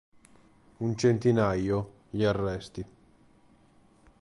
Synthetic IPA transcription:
unt͡ʃent̪inajo | ʎiarːɛst̪i

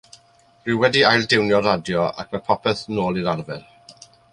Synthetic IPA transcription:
rɨwɛdiajlˠdɪwnjɔɾadjɔa̰kʰmapʰɔpʰɛθnoːlˠiɾaɾvɛr

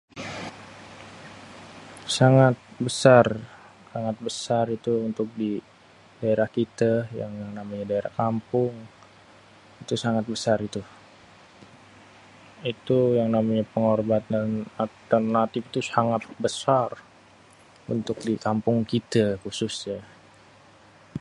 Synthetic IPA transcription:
saŋat̪̚bəsar | saŋat̪̚bəsarit̪uunt̪ʊk̚di | daeɾahkit̪aja̰ŋjaŋnamaɲadaeɾahkampʊŋ | it̪usaŋat̪̚bəsaɾit̪u | it̪ujaŋnamaɲapəŋorbat̪̚analt̪ərnat̪ifit̪usaŋat̪̚bəsar | ṵnt̪ʊk̚dikampʊŋkit̪akusʊsɲa

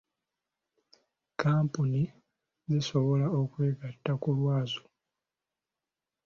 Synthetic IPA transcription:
kaːmpuni | ziso̞βo̞laokwe̞ːɡatːakulwaːzo̥

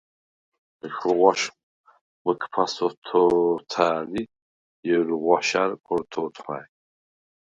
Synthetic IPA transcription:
xʁʷaʃ | məkʰpʰasɔt̪ʰɔt̪ʰaːli | jɛɾuʁʷaʃaɾkʰɔɾt̪ʰɔt̪ʰχa̰

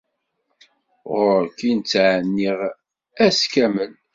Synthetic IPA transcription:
ʁʊɾkint͡sːʕənːiʁ | æskæmən

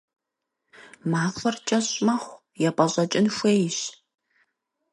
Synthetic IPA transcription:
maːfɨrt͡ʃʼɐɕʼmɐχʷ | jɛpʼɐɕʼɐt͡ʃʼɪnxʷejɕ

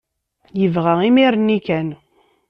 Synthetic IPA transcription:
jəvʁæimiɾnːikæn

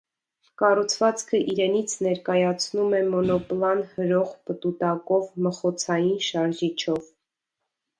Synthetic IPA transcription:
kɑrut͡sʰvɑt͡skʰəʔiɾɛnit͡sʰnɛɾkɑjɑt͡sʰnumɛmɔnɔplɑnhəɾɔʁpət̪ut̪ɑkɔvməχɔt͡sʰɑjinʃɑɾʒit͡ʃʰɔv

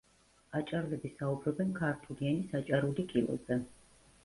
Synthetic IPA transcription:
at͡ʃʼaɾlɛbisaubɾɔbɛnkʰaɾt̪ʰulianisat͡ʃʼaɾulikʼilˠɔ̰zɛ

